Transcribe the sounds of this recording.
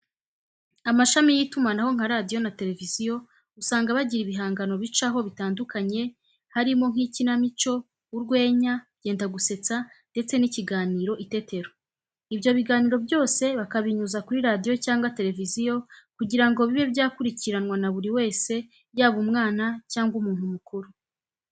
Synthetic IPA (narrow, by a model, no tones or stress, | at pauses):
amaʃamijitumanaho̞ŋ̥aɾadijo̞nate̞ɾe̞vizijo̞ | usaːŋɡaβaɟiɾiβiɦaːŋɡano̞βit͡ʃaɦo̞βitaːndukaɲe̞ | haɾimo̞ŋ̥hicinamit͡ʃo̞ | uɾɡwe̞ːɲaβɟe̞ːndaɡuse̞t͡sa | nde̞t͡se̞niciɡaːniːɾo̞ʔite̞te̞ɾo | ibjo̞βiɡaːniːɾo̞bjo̞ːse̞βakaβiɲuzakuɾiɾadijo̞caːŋɡwate̞ɾe̞vizijo̞kuɟiɾaŋɡo̞βiβe̞βjaːkuɾiciɾanwanaβuɾiwe̞ːse̞ | bjaːβumŋaːnacaːŋɡwumuːn̥humukuɾu